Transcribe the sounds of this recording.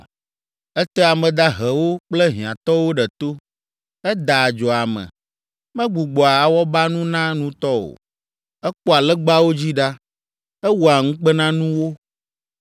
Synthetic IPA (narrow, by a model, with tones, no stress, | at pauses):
ɛ˦t̪ɛ˦a˨mɛ̃˨d̪a˦ɦɛ˨wo˦k͡plɛ˦ɦĩ˨ã˨t̪ɔ˦wo˦ɖɛ˨t̪o˦ | ɛ˦d̪a˨d͡ʒɔ˨a˨mɛ̰̃˨ | mɛ̃˦ɡ͡bu˨ɡ͡bɔ˨a˨a˨wɔ˦ba˦nũ˦nã˦nũ˦t̪ɔ˦o̰˨ | ɛ˦k͡pɔ˦a˨lɛ˦ɡ͡ba˦wo˦d͡ʑi˦ɖa˦ | ɛ˦wu˨a˨ŋũ˦k͡pɛ˦nã˦nũ˦wo˦